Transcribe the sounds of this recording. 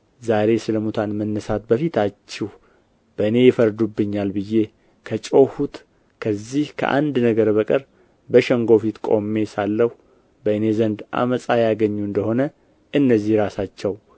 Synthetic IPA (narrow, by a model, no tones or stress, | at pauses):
zaɾe̞sɨləmut̪ʰanmənːəsat̪bəfit̪ʰat͡ʃːɪh | b̥əɨne̞jɪfəɾd̪ubːɨɲːalbɨjːe̞ | kʰət͡ʃʼohut̪ | kʰəzːihkʰə̰ʔa̰nd̪nəɡəɾbəkʼəɾ | bəʃəŋɡo̞fit̪kʼo̞̰mːe̞salːəhu | bəɨne̞zənd̪ʔa̰məsʼajaɡəɲːuɨnd̪əho̞nə | ʔɨnːəzːihɾasat͡ʃːɛw